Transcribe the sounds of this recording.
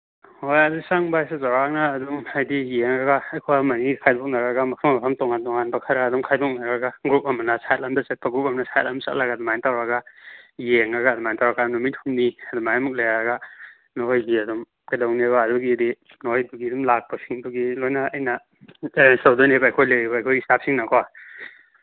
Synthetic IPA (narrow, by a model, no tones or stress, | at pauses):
hojɐdusaŋbasezawɾak̚naːdumajdijeŋɾaɡaːjkʰoamɐnikʰajdɔk̚nɐɾɐɡamɐkʰammɐpʰamtɔŋantɔŋanbɐkʰɐɾaːdumkʰajdɔk̚naɾɐɡaɡɾup̚ɐmanasajat̚lamdɐt͡ʃɐt̚pʰaɡup̚ɐmnasajat̚lamsa̰tlaɡadumajntawɾɐɡajeŋaɡadumajntawɾaɡanumit̚humniɐdumajmuk̚lejaɾɡa | nojɡiɐdum | ɡadawneβaːduɡidi | nojduɡidumlak̚pasiŋduɡilojnaːjnɐ | sawdonebaːjkʰojleibaːjkʰojisap̚siŋnakʰɔwa